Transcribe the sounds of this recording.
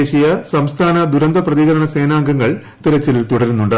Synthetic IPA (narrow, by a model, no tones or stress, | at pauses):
eɕijɐsɐmst̪ʰaːnɐd̪uɾɐnd̪ɐprɐðiɣɐɾɐɳɐse̞ːnaːŋɡɐŋːɐɭ | t̪iɾɐt͡ɕːilt̪uɽɐɾunːuɳɖɨ